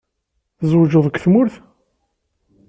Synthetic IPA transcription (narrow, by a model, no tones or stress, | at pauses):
θzwʒəðˤəkʷθmʊɾθ